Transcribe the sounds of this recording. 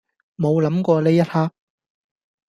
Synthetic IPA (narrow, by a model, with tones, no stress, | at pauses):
mo˨˧wlɐ˨˥mkʷɔː˧leː˥jɐ˥t̚haː˥k̚